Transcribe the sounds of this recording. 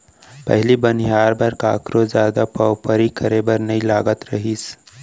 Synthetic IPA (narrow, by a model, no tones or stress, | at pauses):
pɐ̰ɦlibənijaːɾbɐɾkaːkɾozjaːd̪apaʊpəɾikəɾebɐɾnɐĩlaːɡət̪ɾɐɦiːs